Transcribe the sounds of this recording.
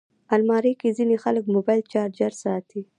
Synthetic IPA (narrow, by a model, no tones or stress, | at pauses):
almɑɾekezinexaləkmobɑjlt͡ʃɑɾd͡ʒaɾsɑt̪ʰi